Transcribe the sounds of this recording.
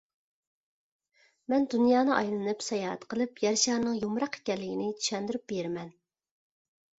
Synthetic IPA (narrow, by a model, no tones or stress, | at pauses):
mɛnd̪unjɑːnɨʔɑjlˠɨnɨpsɑjɑːɦɛ̰t̪qəlˠɨpjɛɾʃɑːɾnɨŋjumɾɑqʰe̥kʲɛnlːɪɡʲinɪt͡ʃ̪ʰy̥ʃɛnd̪ɪɾyp̚beɾmɛn